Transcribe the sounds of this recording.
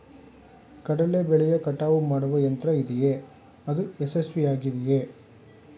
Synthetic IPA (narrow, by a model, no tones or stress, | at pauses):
kɐɽɐlebɛɭɛjɐkɐʈːaːʋumaːɽuʋɐjɐnt̪ɾɐid̪ɛje | ɐd̪uesesʋiaːɡid̪ɛje